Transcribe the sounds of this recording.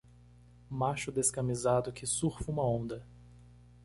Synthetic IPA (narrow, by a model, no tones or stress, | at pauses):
maʃʊd̪eskɐmizad̪ʊkʰɪsuɾfũmɐõnd̪ɐ